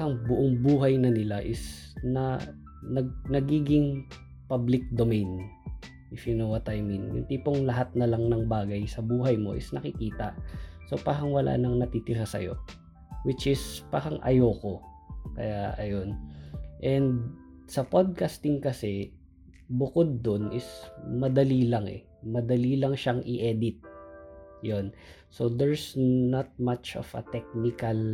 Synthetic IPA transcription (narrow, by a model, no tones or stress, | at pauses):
ɐŋbʊʔoŋbuːɦɐjnɐnɪlaʔɪs | nɐ | nɐɡ̚nɐɡiːɡɪŋ | pablɪk̚d̪omɛjn | ɪfinowɐt̪ajminjʊ̰nt̪ipoŋlɐɦat̪̚nɐlɐŋnɐŋbaːɡɐjsɐbuːɦɐjmo̞̰ʔɪ̰snɐkɪkiːt̪ɐʔso̞paːɾɐŋwɐlʔa̰ːnɐŋnɐt̪it̪ɪɾasɐ̰jo̞̰ | wɪt͡ʃʔɪspaːɾɐŋʔɐ̰joːko̞ | kɐ̰jaʔɐjo̞nʔɛnd̪̚ | sɐpod̪̚kast̪ɪŋkɐsɛ | bʊkod̪̚ːonɪsmɐd̪ɐliːlɐŋʔɛ̰ | mɐd̪ɐliːlɐŋʃaŋʔɪʔɛd̪ɪt̪̚ | jonso̞d̪ɛɹsnɐt̪̚mat͡ʃʔo̰vɐ̰t̪ɛk̚nɪkɐl